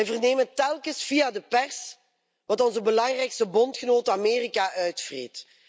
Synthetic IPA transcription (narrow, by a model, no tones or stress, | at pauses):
ɛjvərneːmətɛlˠkəsfijadəpɛrs | ʋɑtɔnzəbəlɑŋrɛjkstəbɔntxənoːtəameːrikaʔœɥtfrḛːt